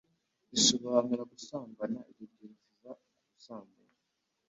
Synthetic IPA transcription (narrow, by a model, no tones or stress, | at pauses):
isoβaanuɾaɡusaːmbanaiɾibɟiɾziza | uɡusaːmbana